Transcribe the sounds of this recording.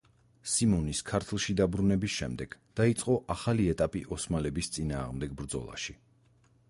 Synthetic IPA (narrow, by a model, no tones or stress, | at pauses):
simɔniskʰaɾt̪ʰlˠʃid̪abɾunɛbisʃɛmd̪ɛɡ̥d̪̥ait̪sʼqʼɔʔaχaliɛt̪ʼapʼiʔɔsmalɛbist̪sʼinaːʁmd̪ɛɡ̚bɾd̪zɔ̰lˠa̰ʃi